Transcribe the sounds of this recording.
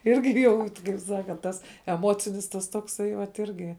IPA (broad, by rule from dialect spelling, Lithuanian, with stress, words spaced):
ˈɪrʲɡʲɪ ˈjɛʊ tʲɪ kɐɪp ˈsɑːkɐnt ˈtɐs ɛˈmoːt͡sʲɪnʲɪs ˈtɐs toːkˈsɐɪ ʋɐt ˈɪrʲɡʲɪ